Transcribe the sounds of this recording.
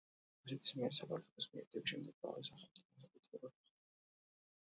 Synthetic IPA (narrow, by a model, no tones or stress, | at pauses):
ɾusɛt̪ʰi̥smiɛɾisapʰaɾt̪ʰɔ̥lʰɔsmiɛ̰ɾt̪ʰɛbiʃɛmd̪ɛɡ̥̚ba̰ɾɛsaχɛmt̪sʼipʰɔs̬akʼut̪ʰɛlɛbad̪aχt̪